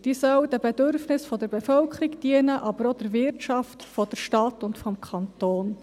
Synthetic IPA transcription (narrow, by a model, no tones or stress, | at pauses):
d̥iːsœwd̥ɛb̥ɛdøɾfnɪsfɔd̥əɾbefœlkʰɾikd̥iənəʔɑbəɾod̥ɛɾvɪɾtt͡ʃɑftfɔd̥əɾʃtɑtʊntfɔmkʰɑnt̪oːn